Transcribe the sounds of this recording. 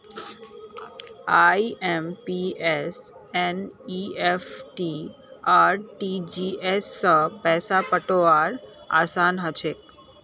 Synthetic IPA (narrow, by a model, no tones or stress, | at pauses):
aiempieseniefʈi | aːɾʈid͡ʒiesːəpɛːsapəʈoʋaːɾa̰ːsaːnɦət͡ʃʰeːk̚